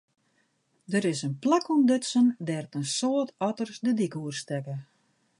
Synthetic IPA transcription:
dəɾɪsənplakundøtsəndɛrtənsoətʰɔtərsdədikuərstɛkə

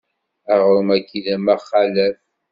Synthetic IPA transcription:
æʁɾəmækːiðæmæχːalæf

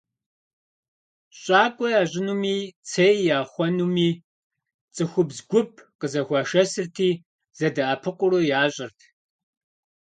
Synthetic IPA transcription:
ɕʼaːkʷʼɔjaːʑʼɪnuːmiːt͡sʰejjaːχʷɔnuːmiː | t͡sʼɨxʷʊbzɡʷʊp̚ʰqəzɐxʷɑːʃɐsɨrtʰiː | z̥ɐdɐʔɐpʰɨqʷʊrojaːɕʼɪrtʰ

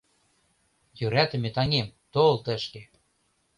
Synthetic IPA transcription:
jøɾæt̪ə̆met̪ɑŋemt̪olt̪ə̆ʃke

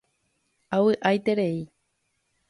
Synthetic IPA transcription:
awɨʔajt̪eɾei

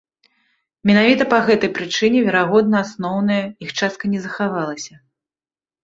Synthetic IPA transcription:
mʲɛnavʲit̪ɐpaɣɛt̪ɐjpɾɨt͡ʂɨnʲɛvʲɛɾaɣɔd̪̚nɐasnɔwnɐjɐixt͡ʂast̪̚kɐnʲɛzɐxavalˠɐsʲɐ

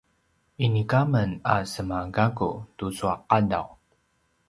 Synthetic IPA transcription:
inikamənasəmaɡaɡṵtusuaqːada̰w

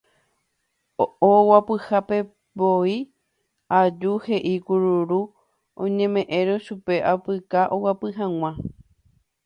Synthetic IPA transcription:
owapɨhape̞ | boi | ad͡ʒuhe̞ʔikuɾuɾu | õɲẽ̞mẽ̞ʔẽɾoʃupe̞ʔapɨkaʔowapɨɦãw̃ã

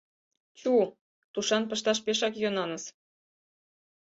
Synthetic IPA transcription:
t͡ɕu | t̪uʃɑnpɤ̆ʃt̪ɑʃ̬peʃɑkjonɑnəs

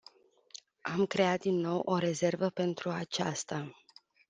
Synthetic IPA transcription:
amkɾe̞at̪̚d̪inːo̞wʔo̞ɾe̞ze̞rvəpe̞nt̪ɾuat͡ʃast̪a

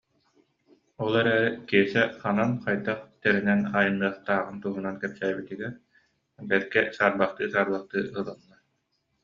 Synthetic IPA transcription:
ɔlˠɛɾɛːɾɛkiɛsɛχananqajd̪aχt̪ɛɾinɛnaːjɯnːɯɐχt̪aːʁɯnt̪uɦunankɛpsæːbit̪iɡɛɾ | bɛɾkɛsaːɾbaχt̪ɯːsaːɾbaχt̪ɯːɯlˠɯnːa

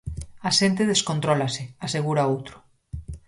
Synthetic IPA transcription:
aʃent̪eð̞eskont̪ɾɔlaseaseɣ̞uɾaowt̪ɾʊ̥

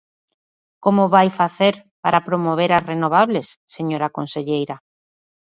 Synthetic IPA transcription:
komoβajfaθeɾpaɾapɾomoβ̞eɾasrenoβ̞aβlesːeɲoɾakõnseʎejɾa

